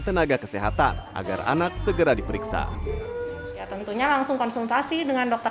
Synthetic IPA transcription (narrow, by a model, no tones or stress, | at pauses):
t̪ənaɡakə̥seɦat̪a̰nʔa̰ɡa̰ra̰nak̚səɡəɾadipəɾiksa̰ | jat̪ənt̪uɲalaŋsʊŋkɔnsult̪asidəŋandɔk̚t̪ə